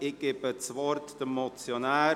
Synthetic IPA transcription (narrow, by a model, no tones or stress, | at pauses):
ɪɡ̥ɪb̥ət͡sʋɔɾtd̥əmːɔt͡sjonaː